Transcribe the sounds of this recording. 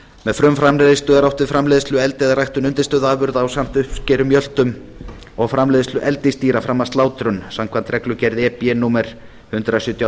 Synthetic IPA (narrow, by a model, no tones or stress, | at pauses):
mɛðfɾʏmfɾamlɛðɪst̪ʏðaɾawht̪vɪfɾamlɛːðɪst̪lʏɛlt̪ɪɛðarajht̪ʏnʏnt̪ɪ̥st̪œːðaːðvʏɾðaːwsam̥t̪ʏhpscɛːɾʏmjœl̥t̪ʏm | ɔɣfɾamlɛːðɪst̪ʏʔɛlt̪ɪst̪iːɾafɾamːast̪laːwt̪ɾʏnsamkʰvant̪ɾɛklʏcɛɾðɪɛːpjɛnuːmɛɾ̥ | hʏnt̪ɾasjʏt̪ja